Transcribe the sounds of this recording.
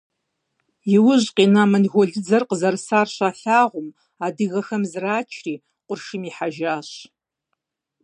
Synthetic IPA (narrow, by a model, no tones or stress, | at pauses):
jɪwʊʑqʼiːnaːmɐnɣʷɔɮɨd͡zɐrqəzɐrsaːrɕaːɬaːʁʷʊm | aːdɨɣɐxɐmzraːt͡ʃʰriː | qʷʊrʂɨmiːħaʒaːɕ